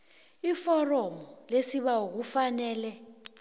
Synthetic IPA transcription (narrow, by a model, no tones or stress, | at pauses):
ifɔrɔmɔlesiɓauk̬ufanɛːlɛ